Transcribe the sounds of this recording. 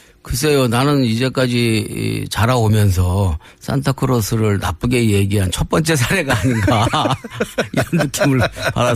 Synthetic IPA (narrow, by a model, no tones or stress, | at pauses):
kɯs̬ʰe̞jonanɯnid͡ʑe̞k͈ad͡ʑḭt͡ɕaɾaomjʌns̬ʰʌ | s͈ʰa̰ntʰakʰɯɾosʰɯɾɯɭna̰p͈ɯɡeje̞ɡiɦant͡ɕʰʌt̚p͈ʌnt͡ɕ͈e̞s̬ʰaɾe̞ɡaːɲinɡa | iɾʌntɯkʰimɯɭpa̰da